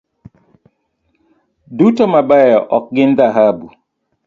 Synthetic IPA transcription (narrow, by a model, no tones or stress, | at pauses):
dutɔmabajɔʔɔk̚ɡɪnd̪aɦabu